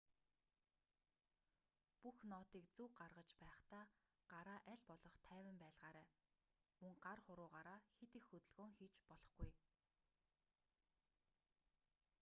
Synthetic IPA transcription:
puxnɔːt̪iːkt͡suːɢarʁə̆t͡ɕpæːχt̪aː | ɢ̥aɾaːʔæɮpɔɮɞ̆χt̪ʰæːwə̆mpæːɮʁaːɾæː | mɵŋɢarχʊɾʊːʁaːɾaːxet̪ixːɵt̪ɵ̆ɮɣoːŋxiːt͡ɕpɔɮɞ̆χɡuj

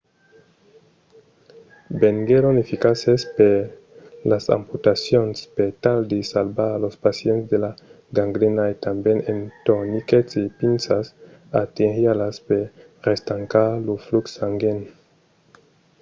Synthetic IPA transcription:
beŋɡeɾonefikasespe | lasa̰mput̪asjonspet̪ald̪esalbalospasjenzd̪ela | ɡaŋɡɾenaet̪ambjenent̪oniket͡sepinsas | at̪enhjalaspe | rest̪aŋkalufluksaŋɡen

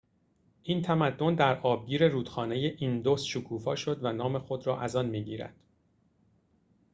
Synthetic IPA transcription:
ʔiːnt̪ʰæmæd̪ːo̞nd̪æɾʔɒːb̚ɡiːɾe̞ɾuːd̪xɒːne̞je̞ʔind̪o̞sʃokʰuːfɒːʃo̞d̪vænɒːme̞xo̞d̪ɾɒːʔæzɒnmiːɟiːɾæ̰d̪̥

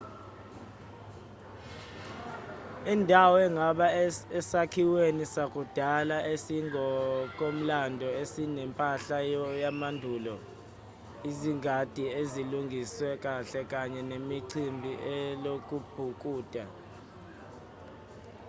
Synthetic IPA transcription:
indʱawɔɛŋɡʱaɓaɛsakʰiwenisak̬ʼud̥ʱalaesiŋɔk̬ʼom̩landʱɔesinɛmpʼaɬajamandʱulɔ | iziŋʱad̥ʱieziluŋɡʱiswɛk̬ʼaɬɛk̬ʼaɲɛnemiǀʰimbʱiʔɛlok̬ʼub̥̚ʱuk̬ʼuːd̥ʱa

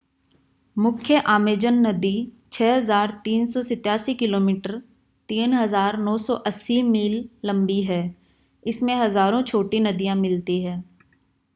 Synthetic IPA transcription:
mʊkʰjəʔaːmeːd͡ʒənːɐd̪i | t͡ʃʰɛːɦɐzaːɾt̪iːnsɔsɪt̪ːjaːsikɪloːmiːʈəɾ | t̪iːnɦɐzaːɾnɔːsɔʔɐsːimiːlːɐ̃mbiɦɛː | ɪsmẽɦɐzaːɾõt͡ʃʰoːʈinɐd̪ijãmɪlt̪iɦɛː

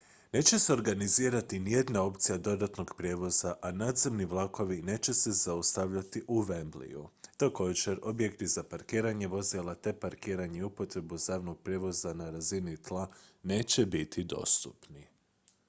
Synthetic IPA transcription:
ne̞ːt͡ɕe̞seo̞ɾɡaniziːɾat̪inije̞d̪nao̞pt̪sijad̪o̞d̪at̪noɡpɾje̞ːʋo̞zaʔanaːd̪ze̞mniʋlˠako̞ʋine̞ːt͡ɕe̞se̞zaust̪aʋʎat̪iʔuʋemblḭjṵt̪ako̞ːd͡ʑe̞ɾo̞bjekt̪izapaɾkiːɾaɲe̞ʋo̞zilˠat̪e̞paɾkiːɾaɲeiupo̞t̪ɾe̞buzaːʋno̞ɡ̚pɾʲje̞ʋo̞zanaɾazinit̪lˠane̞ːt͡ɕe̞bit̪ʰid̪o̞̰st̪ṵpni

